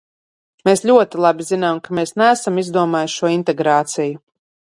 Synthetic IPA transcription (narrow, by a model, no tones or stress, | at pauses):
meːsʎʲuɔt̪ilˠabizinaːmkameːsnæːsamizd̪uɔmaːjʃʃuɔint̪ɛɡɾaːt̪siju